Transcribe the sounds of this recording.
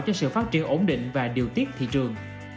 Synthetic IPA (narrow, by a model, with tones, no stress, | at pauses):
wt͡ɕɔ˧sɨ̰˧˨faː˦˥t̚t͡ɕi˨˩ənʔo˧˦nɗḭ̈˧˨ŋ̟vaː˨˩ɗi˨˩əwt̪i˦˥ət̚t̪ʰḭ˧˨t͡ɕɨ˨˩əŋ